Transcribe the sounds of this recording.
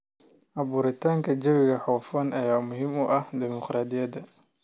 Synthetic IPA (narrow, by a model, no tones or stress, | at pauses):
ʔɐbuːɾɪt̪ʰaːŋkʰɐd͡ʒɐβɪɣɐħɔːfɔːnɐjaːmʊhiːmʊʔɐhd̪ɛmɔqɾaːd̪ɪjɐd̪ɐ